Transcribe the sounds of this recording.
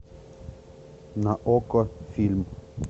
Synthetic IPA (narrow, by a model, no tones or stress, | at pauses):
naʔokɔfilm